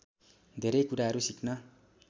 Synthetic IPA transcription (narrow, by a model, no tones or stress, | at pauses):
d̪ʱeɾʌjkuɾaɦʌɾusiknʌ